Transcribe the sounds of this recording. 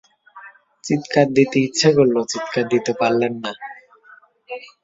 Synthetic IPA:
t͡ɕit̪kaɾ̚d̪it̪iitːʃʰakolːot͡ɕit̪kad̪it̪epaɾlenːa

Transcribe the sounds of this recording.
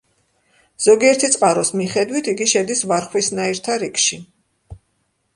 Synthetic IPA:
z̥ɔɡiɛɾt̪ʰit̪sʼqʼaɾɔsmiχɛd̪wit̪ʰiɡiʃɛd̪isvaɾχwisnaiɾt̪ʰaɾikʰʃi

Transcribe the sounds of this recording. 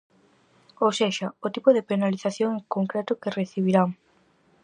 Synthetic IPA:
oseʃɐot̪ipʊðepenaliθaθjoŋŋkoŋkɾɛt̪ʊkereθiβ̞iɾaŋ

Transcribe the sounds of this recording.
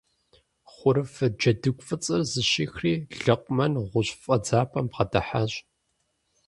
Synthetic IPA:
χʷʊɾɨfɐd͡ʒɐdɨkʷfʼɨt͡sʼɨrzɨɕiːxriːɮɐqʷʼʊmɐnʁʷʊɕʼfʼɐd͡zaːpʰʼɐmpqɐdʰɐħaɕʼ

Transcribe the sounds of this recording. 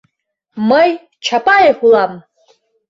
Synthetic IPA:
maj | t͡ʃʰapʼajeħʷulam

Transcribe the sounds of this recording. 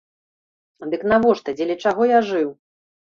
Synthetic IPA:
d̪ɨknavɔʂt̪ɐd͡zʲɛlʲɛt͡ʂaɣɔjaʐɨw

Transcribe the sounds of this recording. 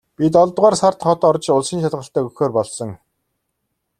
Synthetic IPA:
pʲit̪ɔɮt̪ʁaːrsart̪χɔt̪ːɔrt͡ɕʊɮsiːnʃat̪ʁə̆ɬt̪æːɵxoːrpɔɮsɞ̆ŋ

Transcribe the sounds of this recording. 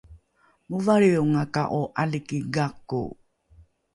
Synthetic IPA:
muvaɾiuŋakaʔuʔalikiɡakṵ

